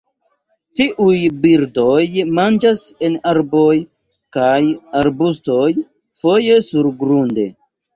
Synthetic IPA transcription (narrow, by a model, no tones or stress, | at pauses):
tiʔujbiɾdo̞jmand͡ʒase̞naɾbo̞j | kajaɾbusto̞j | fo̞je̞suɾɡɾunde̞̰